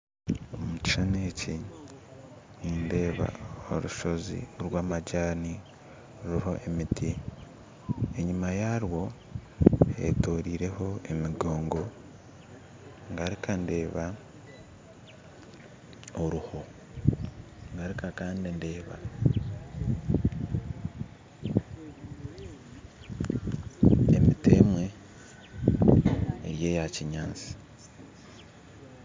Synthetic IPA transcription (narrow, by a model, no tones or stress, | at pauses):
omuci̥ʃaneːci | niːnde̞ːβa̰o̰ɾuʃo̞zḭɾwaːmaɟaːni | ɾuho̞ʔemitʰi | eɲimajaɾwo̞ | ḛtoːɾiːɾe̞ho̞emiɡo̞ːŋɡo̞ | ŋɡaɾikande̞ːβa | oɾuho̞ | ŋɡaɾikakaːndinde̞ːβa̰ | ḛmitemwe̞ | ɾje̞jaciɲaːt͡si̥